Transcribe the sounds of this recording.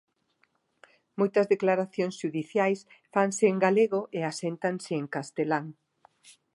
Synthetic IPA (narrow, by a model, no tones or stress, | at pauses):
mojt̪ɐzðeklaɾaθjoŋsʃuðiθjajs | faŋsɪːŋɡaleɣoʔeasent̪aŋsɪːŋkast̪elaŋ